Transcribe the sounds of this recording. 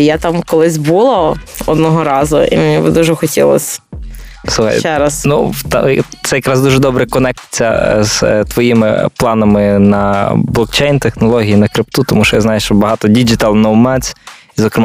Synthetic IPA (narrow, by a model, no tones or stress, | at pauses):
jat̪ɑmkɔlˠɪsʲbulˠɔɔd̪nɔɦɔɾɑzʊḭmenʲibɪd̪uʒɛxɔtʲḭlˠɔ̰sʲ | suxɐ̰jɛɾɐsnut̪t̪sɛjɐkɾɑzd̪uʒɛd̪ɔbɾɛkɔnɛk̚t͡sʲɐ̰z̥t̪ʋɔjimɪ̰plˠɑnɐmɪnɐblˠɔk̚t͡ʃɛjnt̪exnɔlˠɔɦʲijinɐkɾɪp̚t̪ut̪ɔmuʃɔjaznɑjʊʃt͡ʃɔbɐɦɑt̪ɔdʲid͡ʒɪt̪alˠnɐwmɛt͡sʲ | izɔkɾɪm